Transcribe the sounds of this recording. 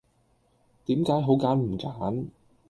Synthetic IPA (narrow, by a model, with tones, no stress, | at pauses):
t̪iː˨˥mkaː˨˥jɦo˨˥wkaː˨˥nm̩˨˩kaː˨˥n